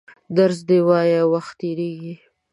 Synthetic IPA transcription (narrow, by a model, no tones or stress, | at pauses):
d̪aɾzd̪ewɑjawaxt̪ːeɾeɡi